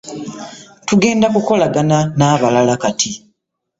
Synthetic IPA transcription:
tuɡe̞ːndakuko̞laɡananaːβalalakatʰi

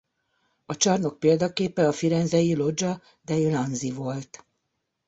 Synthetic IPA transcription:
ɒt͡ʃɒrno̞k̚peːld̪ɒkeːpɛɒfiɾɛnzɛjilo̞d͡ʒɒ | d̪ɛilɒnzivo̞lt̪

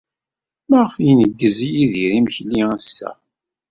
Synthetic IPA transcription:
mæʁfjinəɡːəzijiðiɾiməçliəsːæ̰

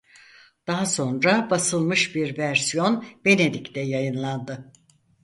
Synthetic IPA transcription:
d̪̥aɦaso̞nɾabasɯlˠmɯʃbiɾvæɾsijo̞nbe̞ne̞d̪ict̪ɛjajɯnlˠand̪ɯ

